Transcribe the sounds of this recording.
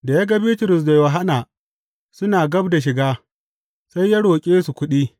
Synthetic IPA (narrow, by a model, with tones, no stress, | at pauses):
da˨ja˦ɡa˨bi˦tʊ˨ɾʊ˨s̬da˨jʊ˨ɦa˦naː˨ | sʊ˦naː˨ɡɐ˦bda˨ʃ̬ɪ˨ɡaː˦ | sa˦jːa˦ɽoː˨kʲʼeː˦su˨kʷʊ˦ɗiː˦